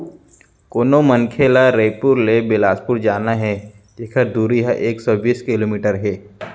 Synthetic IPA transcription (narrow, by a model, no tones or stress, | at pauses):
koːnomənkʰeːlaɾeːpʊɾlebɪlaːspʊɾd͡ʒaːnaɦɛ | d͡ʒekʰəɾd̪uːɾiɦaʔeːksɔbiːskɪloːmiːʈəɾɦɛː